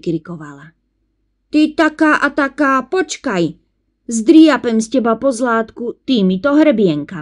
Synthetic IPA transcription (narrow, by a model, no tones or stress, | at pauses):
kɾikɔʋala | t̪it̪akaːʔat̪akaːpɔt͡ʃkaj | zd̪ɾiapɛmscɛbapɔzlaːt̪kut̪imit̪ɔɦɾɛbɪɛŋka